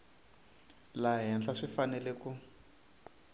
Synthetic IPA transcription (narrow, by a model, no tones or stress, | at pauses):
laɦɛnɬaʂifanɛlɛku